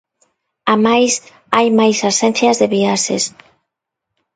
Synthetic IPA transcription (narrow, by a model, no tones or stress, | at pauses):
amajs | ajmajsasen̟θjazðeβiasḛs